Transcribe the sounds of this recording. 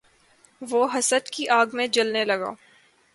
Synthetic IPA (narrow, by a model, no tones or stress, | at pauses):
ʋoːɦɐsəd̪kiʔaːɡmẽd͡ʒɐlnelɐɡa̰ː